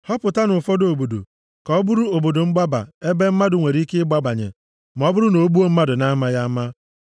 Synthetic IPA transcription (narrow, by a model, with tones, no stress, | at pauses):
hɔ˦pʊ˨ta˦nʊ˨fɔ˦do˨bo˨do̰˨ | kɔ˨˦bʊ˦ɾu˦o˨bo˨do˨ŋ͡m̩˦ɡ͡ba˦ba̰˨e˦be˦m̩˦ma˦dʊ˨ŋʷe˨ɾi˦ke˦ɪ˦ɡ͡ba˦ba˨ɲḛ˨ | m̩˨ɔ˦bʊ˦ɾʊ˦no˨˦bu˦o˦m̩˦ma˦dʊ˨na˦ma˦ja˦ma˦